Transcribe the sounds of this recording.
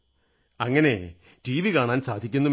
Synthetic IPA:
ɐŋːɐne̞ | ʈiːʋikaːɳaːnsaːd̪ʱikʲːunːɐm

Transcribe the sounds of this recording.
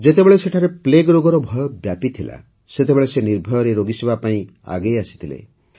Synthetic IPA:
d͡ʒet̪ebeɭeseʈʰaɾepleɡɾoɡɔɾɔbʱɔjɔbjapit̪ʰila̰ | set̪ebeɭeseniɾbʱɔjɔɾeɾoɡisebapaĩ | a̰ɡejasi̥t̪ʰilḛ

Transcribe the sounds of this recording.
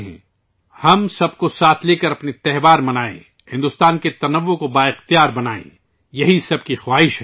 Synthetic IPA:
ɦɛ̰̃ː | hɐmsɐb̚kosaːt̪ʰleːkɐɾɐpnet̪ɛɦbaːɾmɐnaːḛ̃ | hɪ̃nd̪ʊst̪aːnket̪ɐnɐʋːõkobaːɪxt̪ijaːɾbɐnaːḛ̃ | jɐɦisɐb̚kixwaːɦɪʃɦɛː

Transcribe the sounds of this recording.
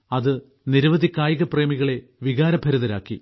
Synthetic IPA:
ɐðɨ | niɾɐʋɐd̪ʱikːaːjiɣɐpre̞ːmiɣɐɭe̞ʋiɣaːɾɐbʱɐɾuðɐɾa̰ːkːi

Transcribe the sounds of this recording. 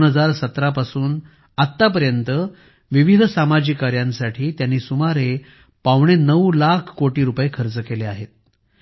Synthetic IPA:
nɦəd͡zaɾsət̪ɾapasuːn | at̪ːap̬əɾjənt̪ə | ʋiʋid̪ʱsamad͡ʑikːaɾjansaʈʰiːt̪janːiːsumaɾe | paʋɳ̃enəʋlakʰkoʈiːɾupjekʰəɾt͡səkeleaɦet̪̚

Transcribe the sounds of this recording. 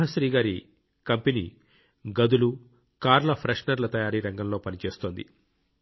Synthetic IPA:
ɦɐʃɾiːɡaːɾi | kɐmpenḭː | ɡɐd̪ulu | kaːɾlɐpʰɾɐʂnɐɾlɐt̪ɐjaːɾiːɾɐŋɡɐmlo̞ːpɐnit͡ʃe̞ːst̪oːnd̪ḭ

